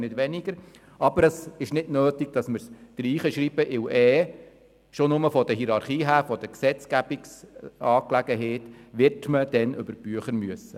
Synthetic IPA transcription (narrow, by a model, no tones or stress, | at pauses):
nɪdʋɛniɡ̥əɾ | ʔɑbəɾəsɪʃnɪdnøːtiɡ̥̚d̥ɑsməɾd̪̥ɾiːχəʃɾiːb̥əʔɪwʔɛː | ʃonʊməfɔd̪əɦiɾɑɾχiːɦæːɾfɔd̥̪əksɛt͡sɡ̥æbiksɑːklæɡəɦɛtʋɪɾtməd̥̪ɛnʔʏ̰bəɾb̥yəχəɾmyəsːə